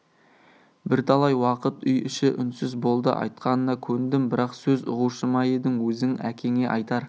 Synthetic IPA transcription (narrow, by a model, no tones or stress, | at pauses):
bɪɾt̪ʰɑlˠɑjwɑqət̪ʏjɪʃɪʔʏnsɪzbo̞lˠd̪ə̰ʔɑ̰jt̪̚qɑnənɑkʲʰɵɾɪnd̪ɪmbɪɾɑqsɵzʊ̰ʁuʃəmɑjəd̪ɪŋwɵzɪŋækʲʰe̞ŋe̞ʔɑjt̪ɑɾ